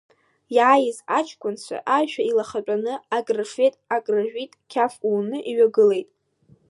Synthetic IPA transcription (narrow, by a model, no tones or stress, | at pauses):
jaːjɪzat͡ʃʰkʷʼʊnt͡ɕʷʰa̰ʔaʒᶣailaχat͡pʼanɨaɡraʂejtʼaɡrɨʒᶣʷitʼkʲʰafuːnɨʔiɥaɡɨle̞jtʼ